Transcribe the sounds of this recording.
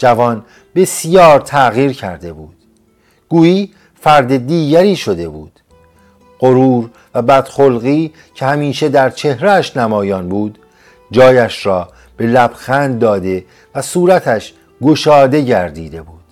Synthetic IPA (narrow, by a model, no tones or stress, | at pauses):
d͡ʒævɒːn | be̞sjɒːɾt̪ʰæɣiːɾcʰæɾd̪e̞buːd̪̥ | ɡ̥uːiː | fæɾd̪e̞d̪iːɟæɾiːʃo̞d̪e̞buːd̪̥ | ɢoɾuːɾ | væbæd̪̥xolɣiː | cʰehæmiːʃe̞d̪æɾt͡ʃʰe̞hɾeæʃnæmɒːjɒːnbuːd̪ | d͡ʒɒːjæʃrɒː | b̥e̞læb̥xænd̪̚ːɒːd̪e̞ | væsuːɾæt̪ʰæʃ | ɡoʃɒːd̪e̞ɟæɾd̪iːd̪e̞buːd̪̥